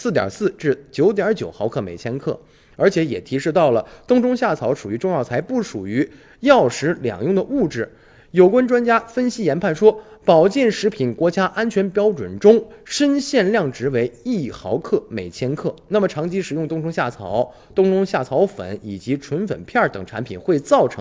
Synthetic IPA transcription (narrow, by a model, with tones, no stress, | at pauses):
sɹ̩˥˩t̪jɑ̰˨˩sɹ̩˥˧ʈ͡ʂɻ̩˥˩t͡ɕjo˧˥ʊt̪jɑ˞˧˥t͡ɕjo˨˩ʊxɑ˧˥ʊkʰɤ˥˩me˨˩ɪt͡ɕʰjɛ˥nkʰɤ̰˥˩ | ə˞˧˥t͡ɕʰjɛ˧˥jɛ˨˩t̪ʰi˧˥ʂɻ̩˥˧t̪ɑ˥˩ʊlə˩t̪ʊ˥ŋʈ͡ʂʊ˥ŋɕja˥˩t͡sʰɑ˧˥ʊʂu˨˩y˧˥ʈ͡ʂʊ˥˧ŋjɑ˥˩ʊt͡sʰa˧˥ɪpu˥˩ʂu˨˩y˧˥ | jɑ˥˩ʊʂɻ̩˧˥ljɑ̰˨˩ŋjʊ˥˩ŋd̪ə˩u˥˩ʈ͡ʂɻ̩˥˩ | jo˨˩ʊkwa˥nʈ͡ʂwa˥nt͡ɕja˥fə˥nɕi˥jɛ˧˥npʰa˥˩nʂwɔ˥pɑ˨˩ʊt͡ɕjɛ˥˩nʂɻ̩˧˥pʰi˨˩nkwɔ˧˥t͡ɕja˥ʔa˥nt͡ɕʰɥɛ˧˥npjɑ˥ʊʈ͡ʂwə̰˨˩nʈ͡ʂʊ˥ŋʂə˥nɕjɛ˥˧nljɑ˥˩ŋʈ͡ʂɻ̩˧˥we˧˥ɪi˥˩xɑ˧˥ʊkʰɤ˥˩me˨˩ɪt͡ɕʰjɛ˥nkʰɤ˥˩na˥˩mə˩ʈ͡ʂʰɑ˧˥ŋt͡ɕʰi˥ʂɻ̩˨˩jʊ˥˧ŋt̪ʊ˥ŋʈ͡ʂʊ˥ŋɕja˥˩t͡sʰɑ̰˧˦ʊ | t̪ʊ˥ŋʈ͡ʂʊ˥ŋɕja˥˩t͡sʰɑ˧˥ʊfə̰˧˩˦ni˨˩t͡ɕi˧˥ʈ͡ʂʰwə˧˥nfə̰˨˩npʰjɑ˥˩t̪ɤ̰˨˩ŋʈ͡ʂʰa˧˥npʰḭ˨˩nxwe˥˧ɪt͡sɑ˥˩ʊʈ͡ʂʰɤ˧˥